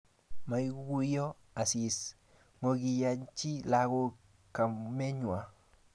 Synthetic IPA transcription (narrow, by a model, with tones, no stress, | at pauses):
ma˨jɡu˦jo˦ | a˨si˨s | ŋo˨ɡi˨ja˨˦ɲt͡ʃi˦la˦ɡo˦ | ka˨me˦ɲwa˨